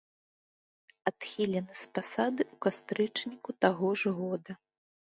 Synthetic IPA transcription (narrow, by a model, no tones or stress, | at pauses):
at̪xʲilʲɛnɨspasad̪ɨʔukast̪ɾɨt͡ʂnʲikut̪aɣɔʐɣɔd̪ɐ